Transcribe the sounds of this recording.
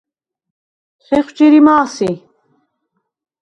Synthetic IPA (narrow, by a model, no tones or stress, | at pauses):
χɛχʷt͡ʃiɾimaːsi